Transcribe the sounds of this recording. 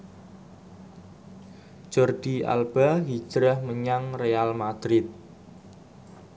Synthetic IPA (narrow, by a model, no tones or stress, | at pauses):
d͡ʒ̥ɔrɖ̪̥ia̰lb̥aɦi̥d͡ʒ̥ɾəhməɲaŋrealmad̪̥ɾɪt̪̚